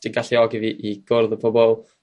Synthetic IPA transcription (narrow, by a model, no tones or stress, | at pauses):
d̥iɡaɬiɔɡiviʔiɡ̥ʊrðəpʰɔbɔlˠ